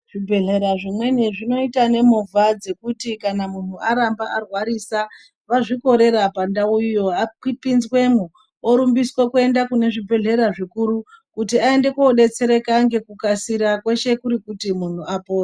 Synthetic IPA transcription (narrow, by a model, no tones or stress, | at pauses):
ʐ̥ibʱe̞ɮe̞ɾaʐimwe̞niʐino̞itane̞muvʱad͡ze̞kutikanamun̤uʔaɾambaʔarwaɾisa | ʋaʐiko̞ɾe̞ɾapandaujo̞akipinzwe̞mu | oɾumbiswakue̞ndakune̞ʐibʱe̞ɮe̞ɾaʐikuɾu | kutiae̞nde̞koɗe̞t͡se̞ɾe̞kaŋɡe̞kukasiɾakwe̞ʃe̞kuɾikutimun̤uapoːra